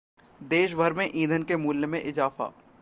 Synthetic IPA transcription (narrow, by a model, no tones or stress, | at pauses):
d̪eːʃ̬bʱəɾmẽʔiːd̪ʱənkemuːljəmẽʔɪzaːfa̰ː